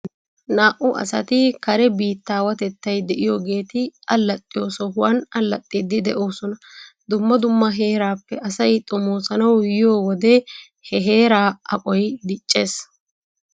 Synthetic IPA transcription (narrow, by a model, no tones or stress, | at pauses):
naːʔʊʔɐ̰sɐ̰t̪ɪkɐɾɛbiːt̪ːaːwɐt̪ɛt̪ːɐjd̪ɛʔɪjoːɡe̞ːt̪ɪʔɐlːɐt̪ʼːɪjo̞ːsɔhʊwɐnɐlːɐt̪ʼːid̪ːɪd̪ɛʔo̞ːsɔnɐ | d̪ʊmːɐd̪ʊmːɐɦe̞ːɾaːpːɛʔɐsɐjt̪ʼʊmoːsɐnɐwjɪjoːwɔd̪ɛ | hɛɦe̞ːɾaːɐkʼɔjd̪ɪt͡ʃʼːe̞ːs